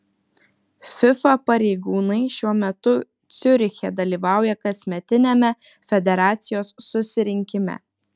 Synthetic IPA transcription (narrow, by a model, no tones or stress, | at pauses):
fʲɪfɐpɐɾʲɛɪɡuːnɐɪʃʲuɔmʲɛt̪ʊ | t̪sʲʊɾʲxʲɛd̪ɐlʲiːˑʋɑˑʊjɛkɐsʲmʲɛt̪ʲɪnʲɛmʲɛ | fʲɛd̪ʲɛɾɑːt̪sʲɪjoːsːʊsʲɪɾʲɪŋʲkʲɪmʲɛ̰